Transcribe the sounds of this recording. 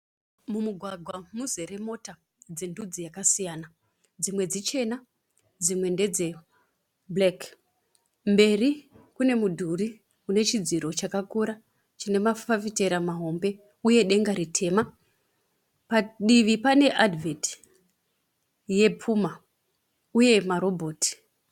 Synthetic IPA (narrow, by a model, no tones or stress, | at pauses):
mumuɡʱwaɡʱwamuze̞ɾe̞mo̞ta | d͡ze̞ndud͡zijakasijaːna | d͡zimwe̞d͡zit͡ʃe̞na | d͡zimwe̞nde̞d͡ze̞ | blek | mbe̞ri | kune̞mudʱuri | une̞t͡ʃid͡ziɾo̞t͡ʃakakuɾa | t͡ʃine̞mafafite̞ɾamaɦo̞mbe̞ | uje̞ɗe̞ŋɡaɾitʰe̞ːma | paɗiʋipane̞ʔadvet | je̞pʰuːma | uje̞maɾo̞bʱo̞ːti̥